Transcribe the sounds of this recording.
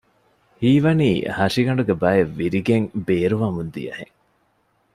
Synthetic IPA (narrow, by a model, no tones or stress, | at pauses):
hiːʋɐniːhɐʂiɡɐɳɖuɡebɐjeʋːiɾiɡeŋbeːɾuʋɐmund̪ḭjɐ̰hḛŋ